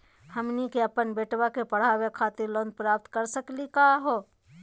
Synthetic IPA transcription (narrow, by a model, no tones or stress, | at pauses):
həmnikeɐpənbeːʈwakepɐɽ̤aːwekʰaːt̪iɾlõːnd̪̚pɾaːp̚t̪kəɾsəklikaːɦoː